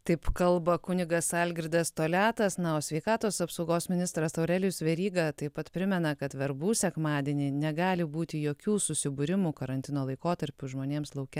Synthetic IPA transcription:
t̪ɐɪpkɐlˠbɐkʊnʲɪɡɐsɑlʲɡʲɾʲɪd̪ɐst̪oːlʲæːt̪ɐsnɐoːsʲʋʲɛɪkɑːt̪oːsɐpsɐʊɡoːsmʲɪnʲɪst̪ɾɐsɐʊɾʲɛlʲjʊsʋʲɛɾʲiːɡɐt̪ɐɪpɐt̪pʲɾʲɪmʲɛnɐkɐt̪ʋʲɛɾbuːsʲɛkmɑːd̪ʲeːnʲiːnʲɛɡɑːlʲɪbuːt̪ʲɪjoːkʲuːsʊsʲɪbʊɾʲɪmuːkɐɾɐnʲt̪ʲɪnoːlˠɐɪkoːt̪ɐɾʲpʲuʒmoːnʲeːmslˠɐʊkʲɛ

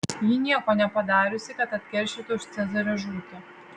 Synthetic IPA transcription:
jinʲiɛkɔnʲɛpɐd̪ɑːɾʲʊsʲɪkɐt̪ɐt̪ʲkʲɛɾʲʃʲɪt̪ʊʃt̪sʲɛzɨɾɐʒuːk̪ʲɪ

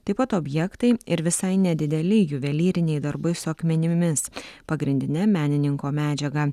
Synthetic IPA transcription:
t̪ɐɪpɐt̪oːbʲjɛkt̪ɐɪɪɾʋʲɪsɐɪnʲɛd̪ʲɪd̪ʲɛlʲɪjʊʋʲɛlʲiːɾʲɪnʲɛɪd̪ɐɾbɐɪsʊɐkmʲɛnʲɪmʲɪspɐɡɾʲɪnʲd̪ʲɪnʲɛmʲæːnʲɪnʲɪŋkoːmʲæːd͡ʒʲɛɡɐ

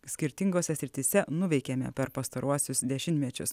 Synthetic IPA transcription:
sʲkʲɪɾʲt̪ʲɪŋɡoːsʲɛsʲɾʲɪt̪ʲɪsʲɛnʊʋʲɛɪkʲɛmʲɛ̰pʲɛɾpɐst̪ɐɾʔuɔsʲʊsd̪ʲɛʃʲɪnʲt̪ʲmʲɛt͡ʃʲʊs

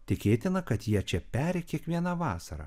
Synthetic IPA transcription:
t̪ʲɪkʲeːt̪ʲɪnɐkɐt̪jiɛt͡ʃʲɛpʲæːɾʲɛkʲiɛkʋʲiɛnɐʋɑːsɐɾɐ̰

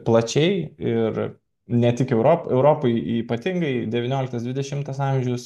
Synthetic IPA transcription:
plˠɐt͡ʃʲɛɪɪr | nʲɛt̪ʲɪkɛʊɾoːpɛʊɾoːpɐɪiːpɐt̪ʲɪŋɡɐɪd̪ʲɛʋʲɪnʲoːlʲɪk̚t̪ɐsd̪ʲʋʲɪd̪ʲɛʃʲɪmt̪ɐsɑmʲʒʲɛʊs

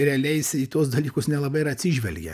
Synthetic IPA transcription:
ɾʲɛɐlʲɛɪsʲiːt̪uɔsd̪ɐlʲiːkʊsnʲɛlˠɐbɐɪɪɾɐt̪ʲsʲiʒʲʋʲɛlʲɡʲɛ̰

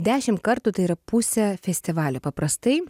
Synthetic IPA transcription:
d̪ʲæːʃʲɪmkɐɾt̪ʊt̪ɐɪiɾɐpʊsʲɛfʲɛsʲt̪ʲɪʋɑːlʲopɐpɾɐst̪ɐɪ

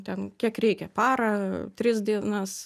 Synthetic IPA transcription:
t̪ʲɛnkʲiɛkɾʲɛɪkʲɛpɑːɾɐt̪ʲɾʲɪsd̪ʲiɛnɐs

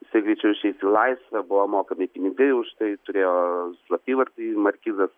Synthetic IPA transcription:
ɪsɐɪɡɾʲiːt͡ʃʲɛʊɪʃʲɛɪsʲilˠɐɪsʲʋʲɛbʊʋoːmoːkɐmʲɪpʲɪnʲɪɡɐɪʊʃt̪ɐɪt̪ʊɾʲeːjoːslˠɐpʲiːʋɐɾt̪ɐmɐɾʲkʲiːzɐs

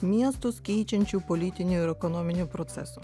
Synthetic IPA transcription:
mʲiɛst̪ʊskʲɛɪt͡ʃʲɛnʲt͡ʃʲuːpolʲɪt̪ʲɪnʲuɪɾɛkonoːmʲɪnʲupɾot̪sʲɛ̰su

